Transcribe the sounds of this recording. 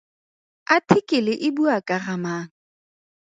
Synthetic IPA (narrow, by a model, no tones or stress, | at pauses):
atʰɪkʼɪlɪʔɪbuakʼaramaːŋ̩